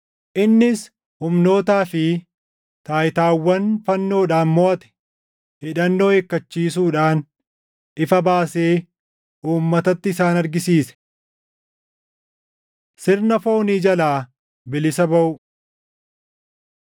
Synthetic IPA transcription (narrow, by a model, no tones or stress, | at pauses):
ʔɪnːɪs | hʊmno̞ːt̪aːfɪ | t̪aːjɪt̪aːwːɐnfɐnːo̞ːᶑaːnmɔʔɐt̪ɛ̥ | ɪᶑɐnːo̞ːekːɐt͡ʃːiːs̬uːᶑaːn | ʔɪfɐbaːseː | ʔuːmːɐt̪ɐt̪ːɪsaːnɐɾɡɪsiːsɛ̥ | sɪɾnɐfo̞ːniːd͡ʒɐlaː | bɪlɪsɐbɐʔʊ